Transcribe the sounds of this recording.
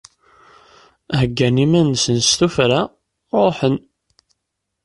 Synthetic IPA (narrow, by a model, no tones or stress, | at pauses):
ɦəɡːænimænsənst̪ufɾa | ɾˤoħən